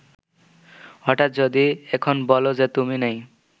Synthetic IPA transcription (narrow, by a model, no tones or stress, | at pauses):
ɦɔʈat̪̚d͡ʑod̪iekʰonbɔlozet̪uminej